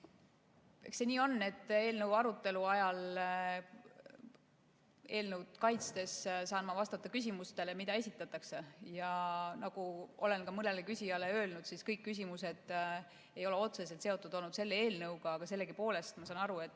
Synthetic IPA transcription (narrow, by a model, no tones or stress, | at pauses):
eksːe̞niːo̞nːe̞t̪ːe̞ːlnɤwɑɾut̪ːˑe̞luɑjɑl | e̞ːlnuwd̪̥kɑjt̪st̪e̞ssɑːnmɑvɑst̪ɑt̪ˑːɑkysʲimust̪e̞le̞mid̪̥ɑe̞sʲit̪ːˑɑt̪ːˑɑkse̞jɑnɑɡ̥uʔo̞le̞nkɑmɯne̞lekysʲijɑle̞ø̞ːlnud̪siskɤjkːys̬ʲimuse̞d̪̥ | e̞jo̞le̞o̞t̪se̞se̞lt̪seo̞t̪ːˑud̪̥o̞lnud̪̥se̞lːee̞ːlnɤwɡ̥ɑɑɡ̥ɑse̞lːeɡipo̞ːle̞st̪mɑsɑːnɑɾue̞t̪ːˑ